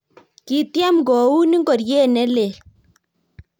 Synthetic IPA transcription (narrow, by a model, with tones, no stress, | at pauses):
ki˨t̪ja˦mɡɔ˨u˦ni˦ŋɡɔ˨ɾjeː˦˨nɛ˦le˨l